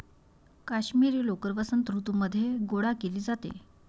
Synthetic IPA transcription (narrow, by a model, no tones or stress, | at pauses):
kaɕmiɾiːlokəɾʋəsənt̪ɾut̪uməd̪ʱːjeɡoɽakeliːd͡zat̪ḛ